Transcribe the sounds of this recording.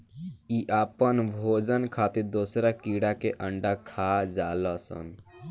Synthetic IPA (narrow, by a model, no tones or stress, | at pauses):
iʔapənbʱod͡ʒənkʰat̪iɾd̪osɾakiɽakeʔəɳɖakʰad͡ʒaləsə̰n